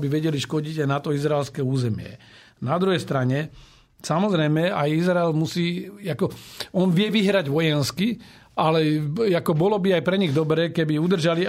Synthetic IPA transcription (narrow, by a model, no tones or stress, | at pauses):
biʋɛɟɛliʃkɔɟiɟajnat̪ɔizɾaɛlskɛuːzɛmɪɛ̰ | nad̪ɾuɦɛjst̪ɾaɲɛ | samɔzɾɛjmɛajizɾaɛlmusiːakɔɔnʋɪɛʋiɦɾaɟʋɔjɛnski | alɛakɔbɔlɔbiajpɾɛɲiɣd̪ɔbɾɛːkɛbiud̪r̩ʒali